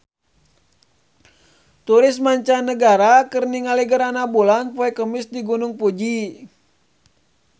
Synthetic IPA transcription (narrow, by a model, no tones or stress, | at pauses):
t̪uɾɪsmaɲt͡ʃanəɡaɾakɨrniŋaliɡəɾanabulanpɔɛkəmisdiɡunʊŋpud͡ʒi